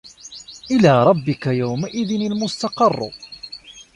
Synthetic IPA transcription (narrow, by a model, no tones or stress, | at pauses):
ʔɪlaːɾˤɑbːɪkajawmaʔɪðɪnalmʊst̪ɑqɑr̰ˤː